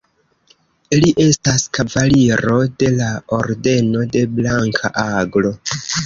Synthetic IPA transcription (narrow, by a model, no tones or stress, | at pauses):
iliʔe̞staskavaliɾo̞de̞laoɾde̞no̞de̞blaŋkʰa̰ʔaɡlo̞